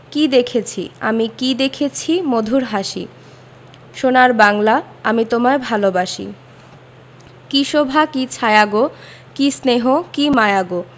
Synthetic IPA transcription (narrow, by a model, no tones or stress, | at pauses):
kid̪ekʰet͡ɕʰḭa̰mikid̪ekʰet͡ɕʰimod̪ʱuɾɦaʃḭ | ʃonaɾbaŋla | amit̪omaebʱalobaʃḭ | kiʃobʱakit͡ɕʰajaɡo | kisneɦokimajaɡo